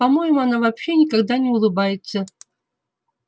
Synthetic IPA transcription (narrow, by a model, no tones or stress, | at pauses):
amo̞jɪmuanavapɕenʲɪkaɡ̚d̪anʲɪulˠɨbajɪt̪sʰə